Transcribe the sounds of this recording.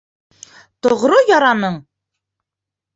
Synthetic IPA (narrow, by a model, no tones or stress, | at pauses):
t̪ŏʁɾojɒɾɑnɤɴ